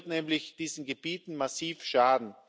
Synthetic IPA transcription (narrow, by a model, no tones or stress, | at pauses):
tnɛːmlɪçd̥iːzn̩ɡebiːtn̩masiːfʃaːdn̩